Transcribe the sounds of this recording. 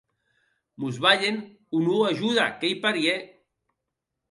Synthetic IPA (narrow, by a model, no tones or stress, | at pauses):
muzβaʎen | unuaʒuðakejpaɾie